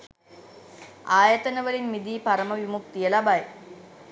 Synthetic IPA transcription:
aːjət̪ənəʋəlinmid̪iːpaɾəməʋimuk̚t̪ijəlabaj

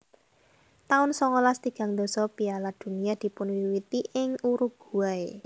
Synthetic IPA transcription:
t̪aʊnsɔŋɔlast̪iɡ̥a̤ŋd̪ɔ̤sɔpialad̪̥ṳnijad̪̥i̤pʊnwiwit̪iʔɪŋuɾuɡ̥ṳae

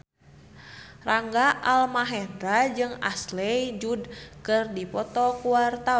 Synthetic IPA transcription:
raŋɡaʔalmaɦɛndɾad͡ʒɨŋa̰slɛjd͡ʒudkɨrdipɔt̪ɔkuwart̪a

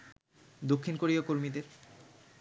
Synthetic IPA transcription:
d̪okʰːinkoɾiokoɾmid̪eɾ

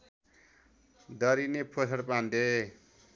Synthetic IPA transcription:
d̪ʌɾinepʰosʰʌɾpand̪e

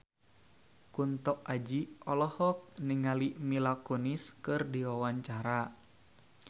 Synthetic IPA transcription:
kunt̪ɔkʔad͡ʒiɔlɔhɔk̚niŋalimilakɔniskɨrdiwawaɲt͡ʃaɾa

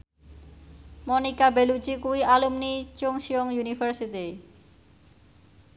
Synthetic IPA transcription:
mɔnikabelud͡ʒikuwiʔalumnit͡ʃʊŋsiɔŋjunifərsit̪i

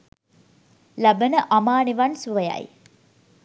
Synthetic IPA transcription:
labənəʔamaːniʋansuʋəja̰j

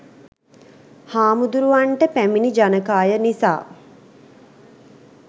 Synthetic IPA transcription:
haːmud̪uɾuʋaɳʈəpæminid͡ʒanəkaːjənisa̰ː

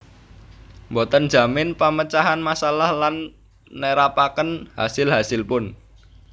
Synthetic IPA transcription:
mbɔt̪ən̥ʒ̥a̤mɪnpamət͡ʃaɦanmasalahlanː | əɾapakənha̰sɪlɦasɪlpʊn

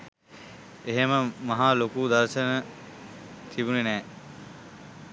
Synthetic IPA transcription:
eɦeməmaɦaːlokuːd̪ɐɾʃənə | t̪ʰibunenɛː

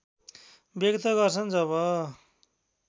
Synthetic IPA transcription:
bjʌɡt̪ʰʌɡʌrt͡sʰʌnd͡zʌβʌ

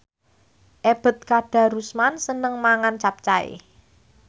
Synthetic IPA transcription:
ʔeb̥ə̤t̪̚kaɖ̥a̤ɾusmansənəŋmaŋant͡ʃap̚t͡ʃaḛ

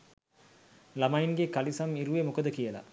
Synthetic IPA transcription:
lamainɡekalisamiɾuʋemukəd̪əkijəla̰

